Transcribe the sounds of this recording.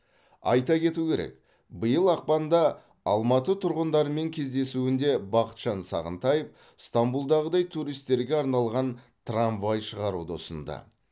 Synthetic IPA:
ɑ̰jt̪ɑkʲʰe̞t̪ukʲʰe̞ɾḛk | bəjəlˠɑq̚pɑnd̪ɑ | ɑlˠmɑt̪ət̪ʰʊɾʁənd̪ɑɾəme̞ŋkʲʰe̞zd̪e̞suɪnd̪e̞bɑqə̥t̪ʒ̥ɑnsɑ̰ʁə̰nt̪ɑjəf | st̪ambulˠd̪ɑʁəd̪ɑjt̪ʰuɾijst̪ːe̞ɾɡʲe̞ɑɾnɑlˠʁɑn | t̪ʰraɱvɑjʃəʁɑɾud̪o̰sənd̪ɑ̰

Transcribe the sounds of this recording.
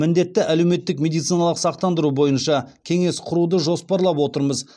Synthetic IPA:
mɪnd̪e̞t̪ːɪʔæle̞wme̞t̪ːɪkmʲe̞d̪ijt̪sijnɑlˠəqsɑqt̪ɑnd̪əɾubo̞jənʃɑkʲʰe̞ŋe̞sqʰʊɾud̪əʒo̞spɑɾlˠɑpwo̞t̪əɾməz

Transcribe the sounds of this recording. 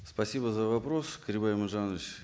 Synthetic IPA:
spɐsʲibəzəvɐpɾoskəɾʲɪbamɨʐanʲt͡ɕ

